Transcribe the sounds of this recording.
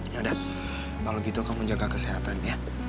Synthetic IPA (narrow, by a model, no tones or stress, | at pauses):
noda | kaloɡit̪ukaməɲd͡ʒaɡakəseɦat̪anja